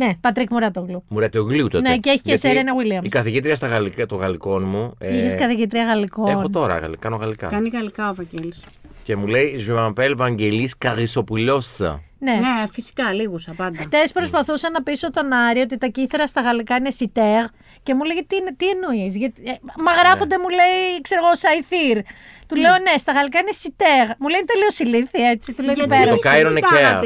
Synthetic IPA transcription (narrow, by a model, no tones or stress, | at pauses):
nepɐt̪ɾikmuɾɐt̪oɣlumuɾɐt̪ooɣlut̪oneceeçi̥ceseɾɾɐinɐwiliɐmikɐθiʝit̪ɾiɐst̪ɐɣɐlikt̪oɣɐliko̞nmuiçeskɐθiʝit̪ɾiɐɣɐlikoexnot̪o̞ɾɐ̰ɣɐ̰lkɐnoɣɐlikɐ̰kɐniɣɐlikɐovɐɟelisce̞mule̞iʒuɐmpelvɐɲɟe̞liskɐɣiso̞puʎo̞ssɐ̰ne̞nefisi̥kɐliɣusɐpɐnd̪ɐxt̪e̞spɾo̞spɐθusɐnɐpisot̪o̞nɐɾiot̪it̪ɐciθeɾɐst̪ɐɣɐlikɐine̞sit̪eɣ | ce̞muleɣet̪inet̪ienoisʝɐt̪imɐɣɾɐfond̪emule̞iekseɾoɣosɐjθiɾt̪ule̞o̞ne̞st̪ɐɣɐlikɐine̞sit̪eɣmule̞int̪eliosiliθie̞t͡sit̪ulepeɾɐokɐjɾoneeɐ̰